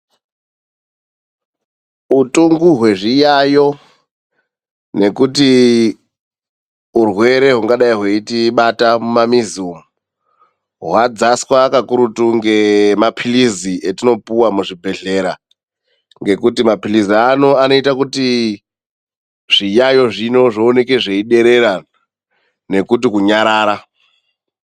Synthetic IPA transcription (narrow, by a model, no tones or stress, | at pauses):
utuŋɡuɦwe̞ʐijajo̞ | ne̞kuti | urwe̞ɾe̞ɦuŋɡaɗaiɦweitiɓatamumamizuːmu | ɦwad͡zaswaːkakuɾutuŋɡe̞mapʰiliziʔetino̞puwamuʐibʱe̞ɮe̞ɾa | ŋɡe̞kutimapiliziano̞ano̞itakuti | ʐ̥ijajo̞ʐino̞ʐoːneke̞ʐe̞iɗe̞ɾe̞ɾa | ne̞kut̬ikuɲaɾaːɾa